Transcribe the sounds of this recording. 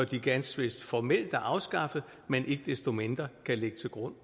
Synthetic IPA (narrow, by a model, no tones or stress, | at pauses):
ɒɐd̥iɡ̥ænsʋe̝sd̥fɒmel̰d̥æɐʔɑ̈ʊsɡ̥ɑ̈fð̩ˠ | menʔe̝ɡ̥əd̥esd̥o̝me̝nd̥ʁɐkʰæleɡ̥ət͡sʰe̝lɡ̥ʁɔ̽n̰